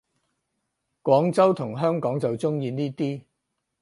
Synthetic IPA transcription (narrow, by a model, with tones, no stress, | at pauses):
kʷɔː˨˥ŋt͡sɐ˥wt̪ʰʊ˨˩ŋɦœː˥ŋkɔː˨˥ŋt͡sɐ˨wt͡sʊ˥ŋjiː˧niː˥t̪iː˥